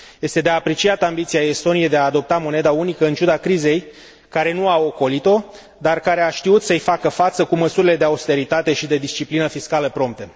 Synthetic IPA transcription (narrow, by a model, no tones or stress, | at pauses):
jje̞st̪e̞d̪eaːpɾet͡ʃiat̪ambit̪siaest̪o̞nijejd̪eaːd̪o̞p̚t̪amo̞ne̞d̪aunikəɨnt͡ʃud̪akɾize̞j | kaɾe̞nuao̞ko̞lit̪o̞ | d̪arkaɾe̞aʃt̪iut̪səɨjfakəfat̪səkuməsuɾile̞d̪e̞aust̪e̞ɾit̪at̪e̞ʃid̪e̞d̪ist͡ʃiplinəfiskaləpɾo̞mp̚t̪ə